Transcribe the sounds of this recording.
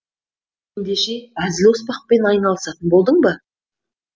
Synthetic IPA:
end̪e̞ʃe̞æzɪlwʊspɑq̚pe̞nɑjnɑlˠəsɑt̪ənbo̞lˠd̪əɴbə

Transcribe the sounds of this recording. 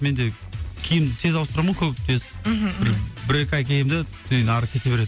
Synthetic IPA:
me̞nd̪e̞ | kʲʰejɪmd̪ɪt̪ʰe̞zɑwst̪əɾɑmənkʲʰɵpɪt̪ʰezbɪɾbɪɾe̞kʲɑjkʲʰejɪmd̪ɪt̪ʰʏnenɑɾəkʲʰe̞t̪e̞be̞ɾe̞d̪ɪ

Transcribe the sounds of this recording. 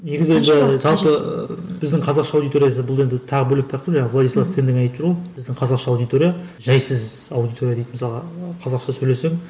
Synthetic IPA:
ne̞ɡʲɪzɪe̞nd̪ɪʒɑlˠpəb̥ɪzd̪ɪŋqʰɑzɑqʃɑːwd̪ijt̪o̞ɾijɑs̬əbʊlˠe̞nd̪ɪt̪ʰɑʁəbɵlɪkt̪ʰɑqəɾʒɑɴvlˠad̪ijslˠɑft̪ʰend̪enɑjt̪əpʒəɾwob̥ɪzd̪ɪŋqʰɑzɑqʃɑwd̪ijt̪ʰo̞ɾʲijaʒɑjsɪzɑwd̪ijt̪ʰo̞ɾjad̪ejt̪ɪmɪsɑlˠʁɑqʰɑzɑqʃɑsɵjle̞se̞ŋ

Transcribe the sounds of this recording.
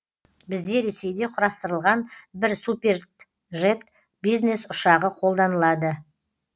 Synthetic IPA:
bɪzd̪e̞ɾe̞se̞jd̪e̞qʰʊɾɑst̪əɾəlˠʁɑnbɪɾsupʲe̞r | ʒe̞t̪̚ | bijzne̞sʊʃɑʁəqʰo̞lˠd̪ɑnəlˠɑd̪ə

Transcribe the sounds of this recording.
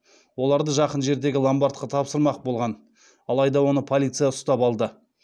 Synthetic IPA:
wo̞lˠɑɾd̪əʒɑqənʒe̞ɾd̪e̞ɡʲɪlˠambaɾt̪̚qɑt̪ʰɑpsəɾmɑq̚bolˠʁɑn | ɑlˠɑjd̪ɑwo̞nəpʰo̞lʲˠit̪sɨjaʊst̪ɑpɑlˠd̪ə

